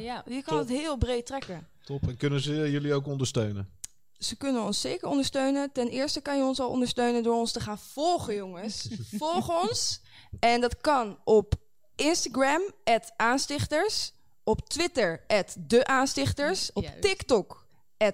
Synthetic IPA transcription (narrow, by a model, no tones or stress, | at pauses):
jjəkɑndɑtɦɪːlˠbrejt̚trɛkə | tɔpnkɵnənzəjɵliowkɔndəɹstøɥnən | səkʏnənɔnsːeːkəɹɔ̃ndəɹstøɥnətɛnɪːɹstəkɑnjəɔnsɑlˠʔɔ̰ndəɹstøɥnəndʊːɹɔnstəχaːnv̥ɔlˠχəjɔŋəsfɔlˠχɔns | ɛndɑtkɑnʔɔp | ɪnstaɡrɛmɛtʔaːnstɪχtəɹs | ɔptʋɪtəɹʔɛtdəʔaːnstɪχtəɹsɔptɪktɔk | ɛt